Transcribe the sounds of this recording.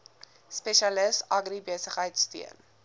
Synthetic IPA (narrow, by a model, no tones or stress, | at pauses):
spɛʃɐləsɐɡribiəsəχɦəjtsty̰ən